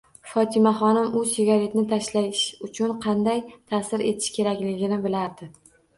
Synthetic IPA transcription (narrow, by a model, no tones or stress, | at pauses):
fɒt̪ʰɪmaχɒnɪmʊsɪɡʲaɾe̞t̪nɪt̪ʰaʃlajɪʃʊt͡ʃʰʊnqʰɑnd̪ajt̪ʰasɪɾe̞t̪ʰɪ̥ʃkʲʰe̞ɾakʲlɪɡʲɪnɪbɪlaɾd̪ɪ